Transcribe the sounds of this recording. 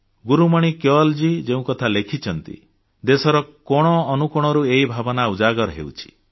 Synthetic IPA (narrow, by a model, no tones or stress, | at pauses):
ɡuɾumaɽ̃ikjɔld͡ʒid͡ʒeũkɔt̪ʰalekʰit͡ʃʰɔnt̪ḭ | d̪esɔɾɔkɔɽ̃ɔːnukɔɽ̃ɔɾueibʱabɔnaud͡ʒaɡɔɾɦḛwt͡ʃʰi̥